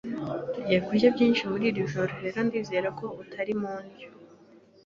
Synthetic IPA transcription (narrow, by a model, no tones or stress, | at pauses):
uɟeɡujabjiːnʃimuɾiːɾjuʒoɾohe̞ɾo̞ndiːze̞ɾakʰo̞utʰaɾimuːnjo